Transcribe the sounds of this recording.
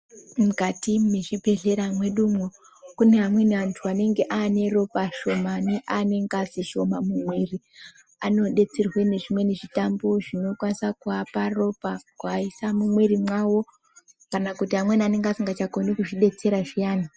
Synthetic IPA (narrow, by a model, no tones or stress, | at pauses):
mukatimeʐibʱe̞ɮe̞ɾamwe̞ɗumo | kuneɦamwe̞niantʰuane̞ŋɡe̞ʔane̞ro̞paʃo̞maniʔane̞ŋɡaziʃo̞mamumwe̞ri | ano̞ɗe̞t͡serwene̞ʐimwe̞neʐitamboʐino̞kwanisakuaparo̞pakuaisamumwe̞rimwawo̞ | kanakutiɦamweniane̞ŋɡaziŋɡat͡ʃakonekuʐiɗe̞t͡se̞ɾaʐijaːni